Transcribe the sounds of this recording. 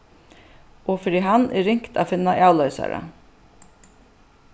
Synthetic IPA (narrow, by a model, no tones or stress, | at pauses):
ʔɔfɪɾiːɦanʔɛ̰ɾɪŋkt̪ʰa̰ːfɪnːaʔaːwlœʏsa̰ɾa̰